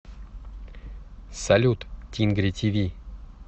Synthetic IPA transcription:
salʲut̪tʲinɡɾʲit̪ʲivʲi

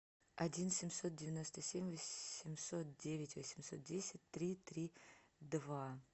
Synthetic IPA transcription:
ɐdʲinsʲɪmʲso̞t̪̚dʲɪvʲɪno̞st̪əsʲemʲvəɪmʲso̞t̪̚dʲevʲɪtʲvəsʲɪmʲso̞̰t̪̚dʲesʲɪtʲt̪ɾʲit̪ɾʲid̪va

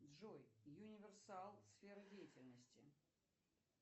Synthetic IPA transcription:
ʐojjʊnʲɪvʲɪrsalˠsfʲeɾɨdʲejɪtʲɪlʲnəsʲtʲɪ

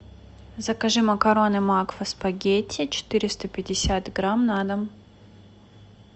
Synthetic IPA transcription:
zɐkɐʐɨmɐkɐɾonɨmakvɐspɐɡʲetʲʰːɪt͡ɕɪ̥t̪ɨɾʲɪst̪əpʲɪdʲɪsʲat̪ɡɾamnad̪ɐm

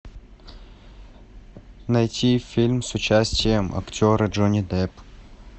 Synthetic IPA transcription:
nɐjtʲifʲilʲmsʊt͡ɕæsʲtʲɪjəmɐ̰ktʲoɾəʐonʲɪd̪ɛp

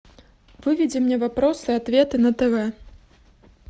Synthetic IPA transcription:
vɨvʲɛd͡zʲɛmnʲɛvapɾɔsɨat̪vʲet̪ɨnɐt̪ɛvɛ

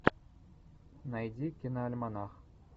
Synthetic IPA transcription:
najd̪ʲikʲinaːlʲmɑnɑχ

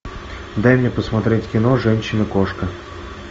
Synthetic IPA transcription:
d̪ajmʲnʲepəsmɐt̪ɾʲetʲkʲɪno̞ʐɛnʲɕːɪnɨkoʂkə

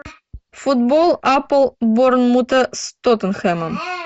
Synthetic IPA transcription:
fut̪bɔlˠapəlˠboɾnmut̪əst̪ɔt̪ənxɛməm

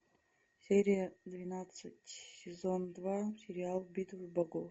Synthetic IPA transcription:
sʲeɾʲijad̪vʲinat̪sɨtʲʰsʲezond̪vasʲeɾʲialˠbʲit̪ʰʼvɨbaɡo

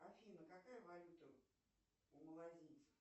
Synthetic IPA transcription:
afʲinəkakajəvalʲut̪ə | ʊmlˠazʲit̪sə̥

